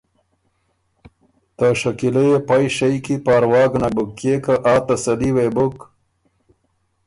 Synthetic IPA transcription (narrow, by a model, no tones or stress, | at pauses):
t̪aʂɐkilejepajʃajkipaːɾwɑːɡnabukːekaʔaːt̪ɐsɐliwebʊk